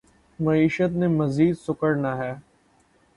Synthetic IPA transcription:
mɐiːʃət̪nemɐziːd̪sʊkəɾnaɦɛː

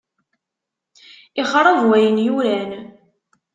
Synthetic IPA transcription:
ɪχɾˤəðwæjənjuɾæn

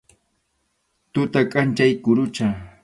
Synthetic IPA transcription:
t̪ʊt̪akʼant͡ʃajkʊɾʊt͡ʃa

